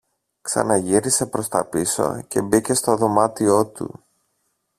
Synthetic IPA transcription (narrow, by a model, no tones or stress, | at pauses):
ksɐ̰nɐʝiɾise̞pɾo̞st̪ɐpiso̞̰ce̞bice̞st̪o̞ðo̞mɐt̪io̞t̪ṵ